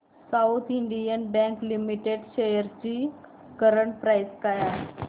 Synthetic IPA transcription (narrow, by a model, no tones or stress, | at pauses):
saut̪ʰiɳɖijənbɛ̃ŋklimiʈeɖɕejəɾt͡ɕiː | kəɾəɳʈ̚pɾajskaja